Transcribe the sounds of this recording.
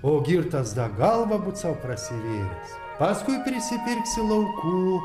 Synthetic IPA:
oːɡʲɪɾt̪ɐsd̪ɐɡɑlˠʋɐbʊt̪sɐʊpɾɐsʲɪɾʲeːjʲɛs | pɑskʊɪpʲɾʲɪsʲɪpʲɪɾʲksʲɪlˠɐʊkuː

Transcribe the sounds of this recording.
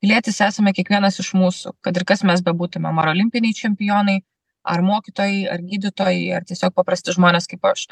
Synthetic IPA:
pʲɪlʲiɛt̪ʲɪsæːsɐmʲɛkʲiɛkʋʲiɛnɐsɪʃmuːsʊ̰kɐt̪ɪɾkɐsmʲɛsbʲɛbuːt̪ʊmʲɛmɐɾoːlʲɪmʲpʲɪnʲɛɪt͡ʃʲɛmʲpʲɪjoːnɐɪ | ɐ̰ɾmoːkʲit̪oːjɛɪɐ̰ɾɡʲiːd̪ʲɪt̪oːjɛɪɐ̰ɾt̪ʲiɛsʲoːk̚pɐpɾɐsʲt̪ʲɪʒmoːnʲeːskɐɪpɐʃ

